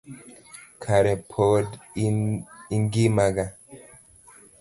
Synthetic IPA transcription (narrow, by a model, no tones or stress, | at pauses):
kʰaɾɛpʰod | iŋɡimaɡa